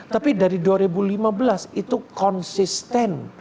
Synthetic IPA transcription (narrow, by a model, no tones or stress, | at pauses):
t̪apidaɾiduaɾibulimabəlasit̪ukɔnsist̪ɛn